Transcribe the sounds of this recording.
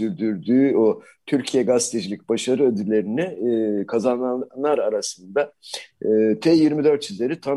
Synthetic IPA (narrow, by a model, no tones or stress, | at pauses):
yɾd̪yɾd̪yːo | t̪ʰyɾcʰijɛɡast̪ʰed͡ʒilʲi̥c̚ʲbaʃaɾɯød̪ylʲe̞ɾiniːkʰazananlˠaɾaɾasɯnd̪aɯːt̪ʰɛjiɾmid̪øɾt̪sizlʲe̞ɾit̪ʰa